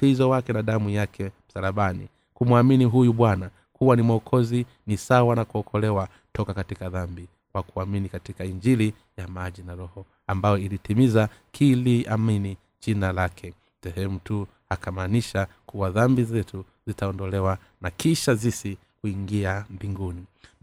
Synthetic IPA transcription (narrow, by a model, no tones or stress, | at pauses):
izɔwakɛnaɗamujakʰɛm̩salaɓanḭ | kumwaminiɦujuɓwana | kuwanimwɔkʰɔzi | nisawanakuɔkʰɔlɛwa | tɔkakatikaðambi | kwakuaminikatikaiɲd͡ʒili | jamaʄinaɾɔhɔ | ambajɔilitimizakʰiliamini | ʄinalakʰɛ | sɛhɛmutu | hakamaːniʃa | kuwaðambizɛtu | zitaɔndɔlɛwa | nakiʃazisi | kuiŋɡiambiŋɡuni